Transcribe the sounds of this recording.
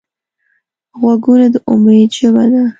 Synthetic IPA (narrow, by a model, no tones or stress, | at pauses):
ɣwaɡunad̪əʔʊmed̪ʒəbad̪a